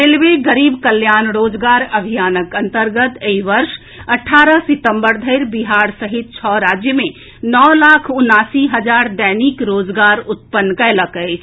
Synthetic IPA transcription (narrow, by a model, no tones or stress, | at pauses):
ɾelʋeɡəɾiːbkəljanɾoːd͡ʒɡaɾəbʱijaːnəkənt̪əɾɡət̪eiʋəɾʃ | əʈʰːaɾəsit̪əmbəɾd̪ʱəɪɾbiɦaɾsəɦit̪̚t͡ʃʰɔɾad͡ʒjəmẽ | nɔlakʰunːaːsiɦəd͡ʒaɾd̪ɛnikɾoːd͡ʒɡaɾut̪̚pənːkələkəɪt͡ʃʰ